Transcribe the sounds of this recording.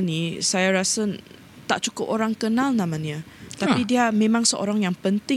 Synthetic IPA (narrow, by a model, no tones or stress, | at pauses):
nisajaɾasa | t̪aʔ̚t͡ʃukʊpoɾaŋkənalnãmaniat̪apidiamẽmãŋsəʔo̰ɾaŋjaŋpənt̪ɪ